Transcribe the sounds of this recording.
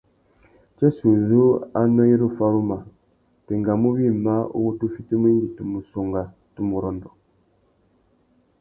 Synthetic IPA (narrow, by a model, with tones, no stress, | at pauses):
t͡ʃɛ˦su˨zu˦a̰˦nɔ˦ji˦ɾu˦fa˦ɾu˦ma˨ | te˨ŋɡa˨mu˦wi˦ma˦ṵ˦wo˦tu˦fi˦tu˦mi˦nɡi˨tu˨mu˨so˨ŋɡa˨ | tu˦mu˨ɾɔ˨ndɔ˨